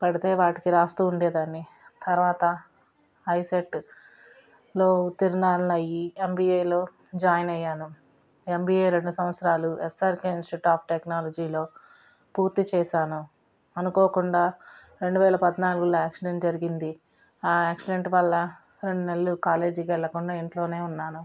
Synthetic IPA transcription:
pɐɽit̪e̞ːʋaːʈikiɾaːst̪uːuɳɖeːd̪aːnːi | t̪ɐɾʋaːt̪ɐ | ɐjseʈː | lo̞ːut̪iɾunaːnɐjiembiːejlo̞ː | d͡ʒaːjɐnɐjːaːnu | embiːeːɾe̞ɳɖusɐmʋɐt̪sɐɾaːluesaːɾkeinsʈiʈaːp̚ʰʈeknaːlod͡ʒiːlo̞ː | puːɾt̪it͡ʃɛːʃaːnu | ɐnukoːkuɳɖaː | ɾe̞ɳɖuʋɛːlɐpɐd̪naːluɡuloːaːksiɖe̞ɳʈd͡ʒɐɾiɡind̪i | aːaːksiɖe̞ɳʈʋɐlːɐ | ɾeɳɖunelːukaːle̞ːd͡ʒɡɛɭːɐkuɳɖaːiɳʈlo̞ːne̞ːunːaːnu

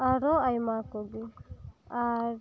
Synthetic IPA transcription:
aɾɔajmakɔɡi | aɾ

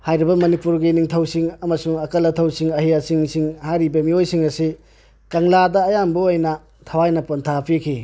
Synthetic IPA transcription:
hajɾibɐmɐnipuɾɡiniŋtʰɐwsiŋɐmɐsuŋɐkɐlːɐtʰɐwsiŋɐɦijasiŋsiŋhajɾibɐmiojsiŋɐsi | kɐŋladɐːjambuojnɐ | tʰɐwajnɐpontʰapʰikʰi

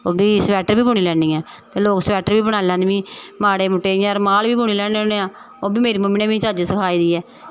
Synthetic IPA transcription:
oːbiːsʋɛːʈəɾbiːbʊːɳ̃iːlɛːɳĩːɛː | t̪eːloːksʋɛːʈəɾbiːbəɽaːlãːnd̪eʋĩːmaːɽeːmʊʈːeːiːɾmaːlʋiːbuːɳ̃iːlɛːɳeoneːãː | oːbʱiːmeːɾiːməmineːʋĩːt͡ʃaːd͡ʒesəkʰaːiːd̪iːɛː

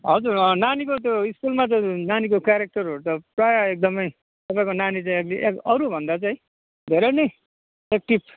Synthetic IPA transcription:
ɦʌd͡zurnanikot̪joiskulmat͡saĩnanikokjaɾek̚ʈʌrɦoɾut̪ʌprajʌek̚d̪ʌmʌj | t̪ʌpãĩkonanit͡saĩekliʔekʌɾubʱʌnd̪at͡saĩ | d̪ʱeɾʌne | ek̚ʈip

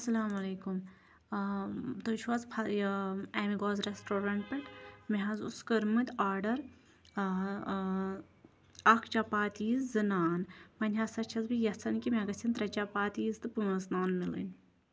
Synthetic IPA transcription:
ɐsɐlaːmɐleːkum | t̪ut͡ʃʰwɐzpʰɐ | emiɡoːzɾesʈoːɾaɳʈ̚pɐʈmeɦɐzṵskəɾmɨt̪ʲaːɾɖɐɾ | ɐkʰt͡ʃapaːt̪iːzzɨnaːnmɐnʲɦɐsɐt͡ʃʰɐzbijɐsɐnkʲimʲẽɡɐsʲɐnt̪ɾɐt͡ʃapaːt̪iːzt̪ɨpumɐznaːnmilḭn

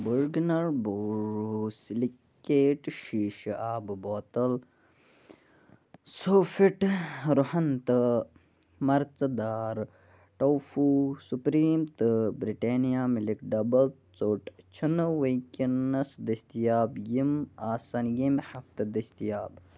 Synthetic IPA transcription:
buɾɡnɐɾboːɾɾusili | kːeːʈʃiːʃaːbboːt̪ɐl | sofiʈɾuhɐnt̪ɨ | mɐɾt͡sɐd̪aːɾ | ʈɐwfusupɾiːmt̪ɨbɾiʈeːnijaːmilikɖɐbɐl | t͡soːʈt͡ʃʰunɨwekinɐsd̪ɐst̪ijaːbjimaːsɐnjimhɐft̪ɨd̪ɐst̪ijaːb

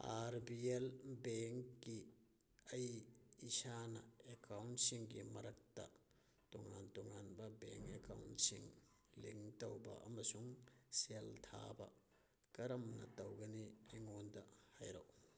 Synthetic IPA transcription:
aɾbielbeŋkːi | ɐjːsanɐ̰ekawntsiŋɡimɐɾɐk̚tɐ̰ | toŋantuŋanbɐbeŋkeka̰wnsiŋ | liŋtɐwbɐ̰ʔɐmɐsuŋseltʰa̰bɐ | kɐɾɐmnɐ̰tɐwɡɐnieŋondɐhajɾo̰w

